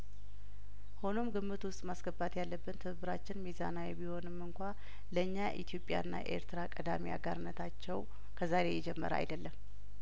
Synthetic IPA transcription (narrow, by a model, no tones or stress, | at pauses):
ho̞no̞mɡɨmːɨt̪wʊst̪ʼmasɡəbat̪jalːəbːɨnt̪ʰɨɨβɨɾat͡ʃːɪnmiza̰nawɛbiho̞nɨmːɨŋkʷa | ləɨɲːaʔḭt̪ʰijo̞pʼːja̰ɨnːa̰ʔe̞̰ɾt̪ɾakʼəd̪amia̰ɡaɾɨnːət̪ʰat͡ʃːɛw | kʰəzaɾe̞jɛd͡ʒɛmːə̰ɾa̰jd̪əlːəm